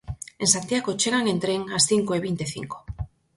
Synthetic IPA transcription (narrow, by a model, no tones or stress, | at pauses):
ensant̪ijaɣot͡ʃeɣaŋent̪ɾeŋasθiŋkoeβint̪eθḭŋko̥